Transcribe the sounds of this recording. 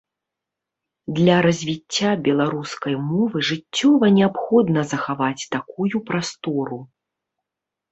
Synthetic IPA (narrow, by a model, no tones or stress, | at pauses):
d̪lʲɐɾɐzʲvʲit͡sʲːabʲɛlˠaɾuskɐjmɔvɨʐɨt͡sʲːɔvɐnʲɛapxɔd̪nɐzɐxavat͡sʲt̪akujupɾast̪ɔɾu